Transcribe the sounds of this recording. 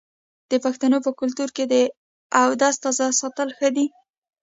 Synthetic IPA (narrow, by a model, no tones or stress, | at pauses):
d̪̥əpaxt̪anopəkʊlt̪uɾked̪ə | awd̪ɑst̪ɑzɑsɑt̪əlxəd̪i